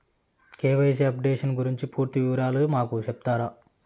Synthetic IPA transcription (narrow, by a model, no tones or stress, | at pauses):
keːʋɐjs̬eɐpɖeːʂɐnɡuɾiɲt͡ʃipuːɾt̪iʋiʋɐɾaːlumaːkut͡ʃep̚t̪aːɾa